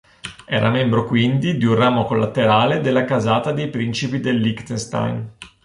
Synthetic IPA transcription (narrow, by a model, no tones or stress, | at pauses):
ɛ̰ːɾʔamɛmbɾokwind̪id̪iunraːmokolːat̪eɾaːled̪elːakazaːt̪ad̪ejpɾint͡ʃipid̪elːikt̪enst̪a̰jn